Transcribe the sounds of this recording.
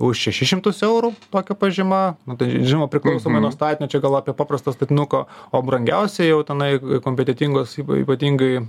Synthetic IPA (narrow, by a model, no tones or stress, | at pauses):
ʊʃʃʲɛʃʲɪʃʲɪmt̪ʊsɛʊɾuːt̪oːkʲɛpɐʒʲɪmɐnʊt̪ɐɪʒʲɪnoʋɐpʲɾʲɪklˠɐʊsoːmmɐɪnuɔst̪ɑːt̪ʲɪnʲot͡ʃʲɛɡɐlˠɑːpʲiɛpɑːprɐst̪ɐst̪ɐt̪ʲɪnʊkɐoːbrɐŋʲɡʲɛʊsʲɛjɛʊt̪ʲɛnɐɪkoːmʲpʲɛt̪ʲɛt̪ʲiŋɡoːsḭːpɐt̪ʲiŋɡɐɪ